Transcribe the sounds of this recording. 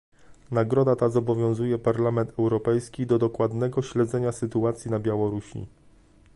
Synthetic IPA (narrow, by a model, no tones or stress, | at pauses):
naɡɾɔd̪at̪azɔbɔvʲjɔ̃w̃zujɛpaɾlamɛnt̪ʰɛwɾɔpɛjskʲid̪ɔd̪ɔkwad̪nɛɡɔɕlɛd̪zɛɲasɘt̪uat̪sʲjinabʲjawɔɾuɕḭ